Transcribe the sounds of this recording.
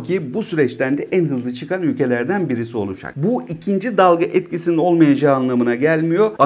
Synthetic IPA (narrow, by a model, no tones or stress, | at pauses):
cʰibusyɾɛt͡ʃt̪ʰænd̪ɛʔænɦɯzlˠɯt͡ʃʰɯkʰanylʲcʰe̞lʲæɾd̪ænbiɾisio̞lˠud͡ʒa̰k̚buicʰind͡ʒid̪alˠɡaʔɛt̪cisinino̞lˠmajad͡ʒaːnlˠamɯnaɟælʲmijo̞a